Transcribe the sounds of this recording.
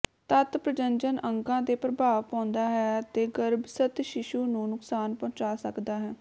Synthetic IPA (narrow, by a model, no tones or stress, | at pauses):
t̪ət̪pɾəd͡ʒəɲd͡ʒənəŋkãːd̪eːpɾəbʱaːʋpãːnd̪aːɦɛːət̪eːɡəɾbsət̪ʃɪʃuːnũːnʊksaːnpɔ̃ːt͡ʃaːsəkd̪aːɦɛː